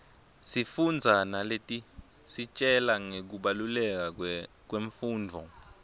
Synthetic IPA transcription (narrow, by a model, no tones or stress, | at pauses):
sifund͡zʱanaletʼi | sit͡ʃʼɛlaŋek̬uɓalulɛk̬a | k̬weɱfuːndʱɔ̰